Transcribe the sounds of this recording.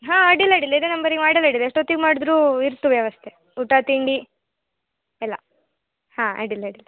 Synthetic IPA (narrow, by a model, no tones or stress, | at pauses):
ɦãːaɖilaɽilːɐid̪enɐmbɐɾiɡmaːɽilaɖilːeʂʈoːt̪ːiɡmaːɽid̪ɾuːiɾt̪ːuʋjɐʋɐst̪ʰe | uʈat̪iɳɖi | ɛlːɐ̰ | hãːa̰ɖilaːɖilːɐ